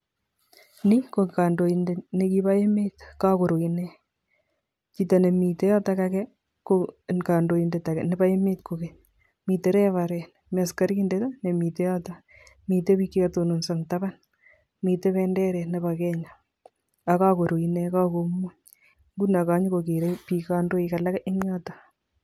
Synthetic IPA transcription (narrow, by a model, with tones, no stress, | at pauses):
ni˦ko˨ka˨ndo˨inde˨ne˦ki˦ba˦e˦me˦tka˦ko˨ɾo˨i˨nɛ˦ | t͡ʃi˨ta˨ne˨mi˨te˦ja˦ta˦ka˦kɛ | koka˨ndo˨i˨nde˨ta˨kɛ˨ne˨ba˦e˦me˦tko˨keɲ | mi˨te˦ɾɛ˦βa˨ɾɛ˨n | ma˨ska˦ɾki˦nde˦ta˦ne˨mi˨te˦ja˦ta | mi˨te˦pi˦ki˦ka˨to˨no˨nsa˨ŋtaba˦n | mi˨te˦βɛndɛ˦ɾɛ˨ne˨βa˨kɛ˦ɲa | a˨ka˦ko˨ɾo˨i˨ne˦ka˦ko˦mu˦ɲ | ŋɡuna˨ka˦ɲ˦ko˨ke˨ɾepikando˦ika˨la˦kɪ˦na˦ta